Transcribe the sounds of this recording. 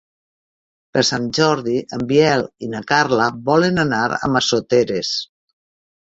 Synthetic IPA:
pəɾsanʒɔɾðiʔəmbjɛlinakarləβɔlenanaɾə̰masot̪eɾes

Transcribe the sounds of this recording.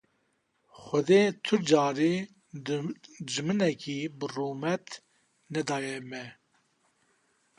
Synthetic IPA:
xʷɛd̪eːt̪ʰʊd͡ʒɑːɾi | d͡ʒɨmɨnɛkʰiːbɨruːmɛt̪ | nɛd̪ɑːjɛmɛ

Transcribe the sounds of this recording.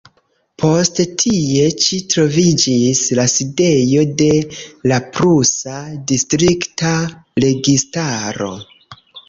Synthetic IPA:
pʰo̞sttʰie̞t͡ʃitɾo̞vid͡ʒislaside̞jo̞de̞lapɾusadistɾiktaɾe̞ɡistaɾo̞̰

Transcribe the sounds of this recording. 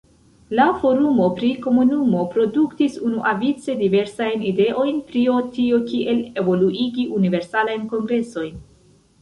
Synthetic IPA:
lafo̞ɾumo̞pɾiko̞munumo̞pɾo̞duktisunuʔavit͡se̞dive̞ɾsajnide̞ʔo̞jnpɾio̞tio̞kiʔe̞le̞vo̞luʔiɡiʔunive̞ɾsalajnko̞ŋɡɾe̞so̞jn

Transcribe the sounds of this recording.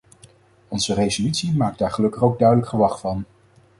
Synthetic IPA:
ɔnzərezolytsimaːk̚daːɹχəlɵkəχowɡ̚dœɥdələkχəʋɑχfɑn

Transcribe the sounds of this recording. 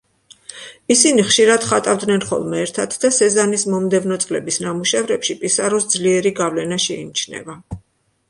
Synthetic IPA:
isiniχʃiɾad̪̥χat̪ʼavd̪nɛnχɔ̰lˠmɛːɾt̪ʰat̪ʰd̪asɛzanismɔmd̪ɛvnɔt̪sʼlɛbisnamuʃɛvɾɛpʃipʼisaɾɔsd̪zliɛɾiɡavlɛnaʃɛinit͡ʃʰnɛ̰va

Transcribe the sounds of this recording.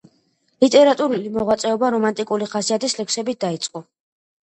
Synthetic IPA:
lit̪ʼɛɾat̪ʼuɾulimɔʁwat̪sʼɛɔbaɾɔmant̪ʼikʼuliχasiat̪ʰislɛkʰsɛbit̪̚d̪ait̪sʼqʼɔ

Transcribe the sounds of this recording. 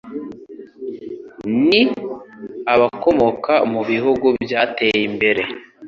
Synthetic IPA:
ni | aβako̞mo̞kʰamuβiɦuɡubjaːte̞ːjimbe̞ɾe̞

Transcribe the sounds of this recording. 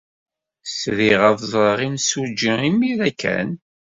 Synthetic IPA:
sðiʁəvðˤəʁinsud͡ʒəimiɾækʰːæ̰n

